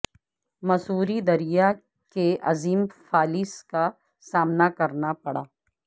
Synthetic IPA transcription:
mɐsuːɾid̪ɐɾija | keʔɐ̰ziːmfʰaːlɪska | saːmnakɐɾnapɐɽa̰ː

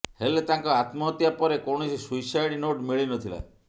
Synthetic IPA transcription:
helet̪ãŋkɔat̪mɔt̪japɔɾekɔɳ̃ɔsisujsajɽinoʈmiɭinɔt̪ʰila̰

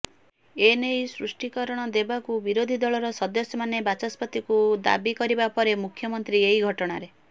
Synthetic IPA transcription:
enejsɾusʈikɔɾɔɽ̃ɔd̪ebakubiɾod̪ʱid̪ɔɭɔɾɔsɔd̪ɔsɔmanebat͡ʃaspɔt̪ikud̪a̰bikɔɾibapɔɾemukʰjɔmɔnt̪ɾieiɡʱɔʈɔɽ̃aɾe

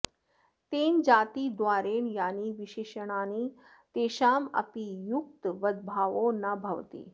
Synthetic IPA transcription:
t̪eːnd͡ʑaːt̪iːd̪ʋaːɾeːɳjaːniːʋiʃeːʃəɽ̃aːniː | t̪eːʃaːmɐ̰pijuk̚t̪ʋɐd̪̚bʱaːʋonabʱɐʋt̪ḭː

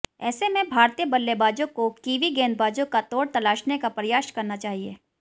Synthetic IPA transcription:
ɛ̰ːsemẽbʱaːɾt̪iəbɐlːebaːd͡ʒõkokiːʋiɡɛ̃ːnd̪bʱaːd͡ʒõkat̪oːɽt̪ɐlaːʃnekapɾɐjaːʃkɐɾnat͡ʃaːɦiḛː

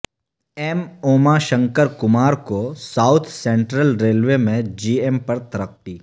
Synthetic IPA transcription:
ɛmoːmaʃə̃ŋkəɾkʊmaːɾkosaːʊt̪ʰsẽːɳʈɾəlɾeːlʋemẽd͡ʒiːempɐɾt̪ɐɾək̚ʈiː

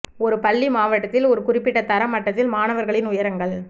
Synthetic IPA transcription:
ɔɾɯpɐɭːimaːʋɐʈːɐt̪ːɪlɔɾɯkʊrɪpːɪʈːɐt̪ːɐɾɐmːɐʈːɐt̪ːɪlmaːnɐʋɐɾɣɐɭɪnʊjɐɾɐŋɡɐɭ

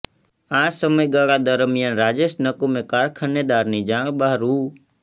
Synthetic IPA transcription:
ãːsəməiɡaːɽaːd̪əɾmɪjaːnɾaːd͡ʒesnəkomẽkaːɾkʰənːeːd̪aːɾnĩːd͡ʒãːɓaːɦɾuː

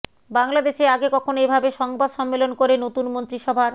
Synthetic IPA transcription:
baŋlad̪eʃeaɡekɔkʰonoebʱabeʃɔŋbad̪ʃɔmːelonkoɾenot̪unmont̪ɾiʃɔbʱaɾ

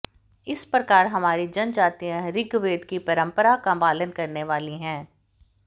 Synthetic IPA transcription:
ɪspɾɐkaːɾɦɐmaːɾid͡ʒɐ̃nd͡ʒaːt̪iãɾɪɡʋeːd̪kipɐɾə̃mpəɾakabaːlənkɐɾneʋaːliɦɛ̃ː

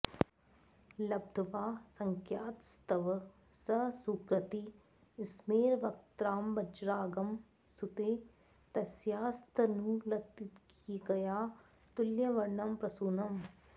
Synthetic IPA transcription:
lɐb̚d̪ʱɐʋaːsɐŋkʰjaːt̪st̪ɐʋ | sɐsukɾɐt̪i | ɪsmeːɾʋɐk̚t̪ɾaːmbɐd͡ʒɾaːɡɐm | sʊt̪eː | t̪ɐsjaːst̪ʰənũːlɐt̪ːɪt̪k | iɡɐjaː | t̪ʊljɐʋɐɾɳɐmpɾɐsuːnɐm

